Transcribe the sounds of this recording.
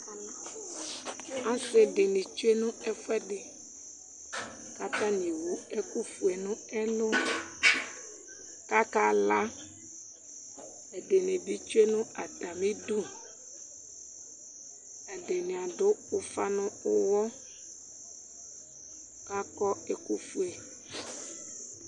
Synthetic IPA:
a˦sɛ˨dɪ˨nɪ̃˨t͡ʃu˦e˦nʊ̃˦ɛ˦fʊ˦ɛ˦dɪ˨ | ka˦ta˦nĩ˨wu˨˦ɛ˦ku˦fu˨ɛ˨nʊ̃˦ɛ˦lʊ˦ | ka˦ka˦la˦ | ɛ˨de˨nɪ̃˨bi˦t͡ʃu˦e˦nʊ̃˦a˨t̪a˨mĩ˦du˦ | a˨de˨nɪ̃˨a˨dʊ˦ʊ˦fa˦nʊ̃˦ʊ˦wɔ˦ | ka˦kɔ˦e˦ku˦fu˦e˨

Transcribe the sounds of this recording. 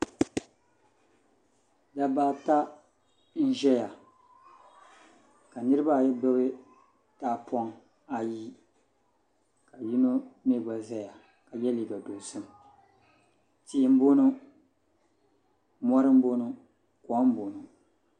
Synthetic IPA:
da˦baː˦ta˦ | n̩˦ʒɛ˦ja˨ | ka˨nɨ˦ɾɨ˦ba˦˨jɛ˦bɨ˦ɣɨ˦ | taː˦pʰɔ˦ŋ | a˨ji˦ | ka˨ji˦no˦me˦˨ɡa˨za˦ja˨ | ka˨jɛ˦li˨ɡa˨do˨sɨ˦m | tiː˦m̩˦bo˦nʊ˦ | mɔ˦ɾɨ˦m̩˦bo˦nʊ˦ | kɔ˨˦m̩˦bo˨nu˨

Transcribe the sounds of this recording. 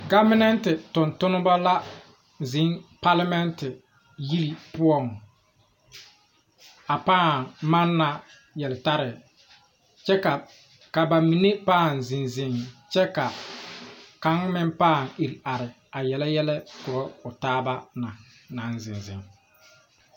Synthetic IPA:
ɡa˦mɪ˦nɛ˦ntɪ˨tʊ˨ntʊ˦nʊ˦ba˦la˦ | zɪ˨˦ŋpa˦la˦mɛ˦ntɪ˨ | ji˦ɾi˨pʊ˦ɔ˦˨ŋ | a˨paː˦˨ma˦nːa˨ | jɛ˨lɪ˨ta˦ɾɪ˨ | t͡ʃɛ˦ka˨ | ka˨ba˨mi˨ne˦paː˦˨nzɪ˨nzɪ˨ŋt͡ʃɛ˦ka˨ | ka˨˦ŋmɪ˦m˦paː˦˨ŋi˨ɾi˨a˨ɾɪ˨ | a˨jɛ˨lɛ˦jɛ˦lɛ˦kʊ˨ɾɔ˦ʊ˨taː˦ba˦na˨ | na˨˦nzɪ˨nzɪ̰˨ŋ

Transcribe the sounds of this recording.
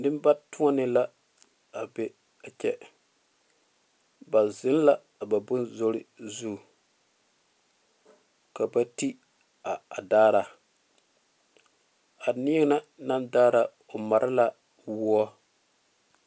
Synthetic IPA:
nɪ˦m˦ba˦tʊ˦a˦nɪ˨la˦ | a˨be˨ | a˨t͡ʃɛ˨ | ba˨zɪ˦n˦la˦˨ba˨bʊ˦nzo˦ɾɪ˦zu˦˨ | ka˨ba˦ti˦ | a˨a˨daː˦ɾa˨ | a˨ni˦ɛ˦ŋ˦na˦na˦ndaː˦ɾa˨ | o˨ma˨ɾʔɪ˦la˦ | wu˦ɔ˦

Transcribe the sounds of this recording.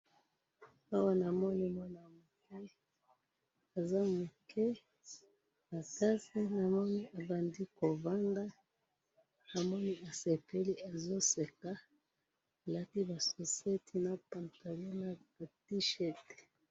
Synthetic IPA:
wa˦wa˨na˨mɔ˦ni˨mɔ˦na˨mu˨kɛ˦ | a˨za˦mu˨kɛ˦ | a˨ta˦si˦na˨mɔ˦ni˦a˨ba˨ndi˦kɔ˨va˦nda˦ | a˨mɔ˦ni˨a˨sɛ˨pɛ˦li˦a˨zɔ˦sɛ˨ka˦˨ | la˦ti˦βa˨sɔ˨sɛ˦tʰi˦na˦pa˨nta˨lɔ˦na˦ba˨ti˦ʃɛ˦ti̥˨

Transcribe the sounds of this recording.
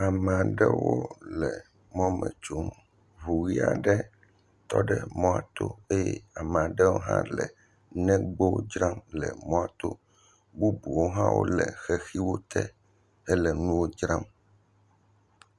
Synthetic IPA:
a˨mɛ̃˨a˨ɖɛ˦wo˦lɛ˨ | mɔ̃˦mɛ̰̃˨t͡ʃo˦m | βu˨ɣi˦a̰˨ɖɛ˦ | t̪ɔ˦ɖɛ˦mɔ̃˦a̰˨t̪o˦e˦jɛ̰˦a˨mɛ̃˨a˨ɖɛ˦wo˦ɦã̰˦lɛ˨ | nɛ̃˦ɡ͡bo˦d͡ʒɾa˦mlɛ̰˨mɔ̃˦a˨t̪o˦ | bu˦bu˨wo˦ɦã˦wo̰˦lɛ˨xɛ˦xi˦wo˦t̪ʰɛ˦ | ɛ˦lɛ˨nũ˦wo˦d͡ʒɾa˦m

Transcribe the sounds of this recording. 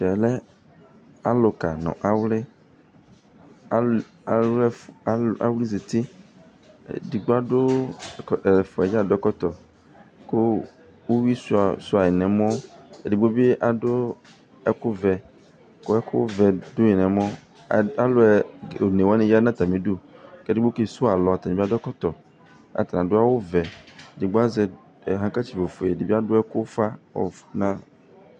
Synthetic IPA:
ʃɛ˨lɛ˦ | a˦lo˨ka˨nɔ̰̃˨ʔa˦wle˦ | a˨˦ɛ˦a̰˦wli˦ze˨t̪ḭ˦˨ | di˨ɡ͡bo˦a˦ɖo˦˨ | lɛ˨fɔ˨ɛ˨d͡ʒa˦˨do˦ɛ˦kɔ˦t̪ɔ˨ | ko˦ | wo˦wi˦su˦a˨su˦˨a˨jɛ˨nɛ̃˨mɔ̃˦ḛ˨de˨bo˦be˦ʔa˨do˦ | ɛ˦kʊ˦vɛ˨ | kʊ˦ɛ˦kʊ˦vɛ˨dʊ˦ɲĩ˨nɛ̃˨mɔ̃˦˨ | a˦lʊ˦ɛ˨o˨nẽ˨wa˦nẽ˦ja˦nã˦t̪a˨mẽ˨du˦kɛ˦di˦bo˦ke˦sʊ˦a˨lɔ˨a˨t̪a˨ĩ˨be˦a˦dɔ˦kɔ˦t̪ɔ˨ | a̰˨t̪a˨nã˨dʊ˦a˦wʊ˦vɛ˨dɪ˨ɡ͡bʊ˦a˦zɛ˦˨ | ɦã˦ka˦t͡ɕi˨bo˨fo˨e˨di˨be˦a˦dʊ˦ɛ˦kʊ˦fa˦ɔ̰˨nã˦

